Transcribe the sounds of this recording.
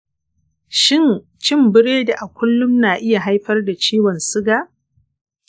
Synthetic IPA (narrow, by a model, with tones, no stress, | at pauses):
ʃɪ˦˨n | t͡ʃɪ˦˨mbɪ˦ɽeː˦da˨ʔa˨kʷʊ˦lːʊ˦mnaː˨ʔɪ˦ja˨ɦa˦jɸɐ˦rda˨t͡ʃiː˦wɔ˨nsɪ˦ɡaː˨ʔ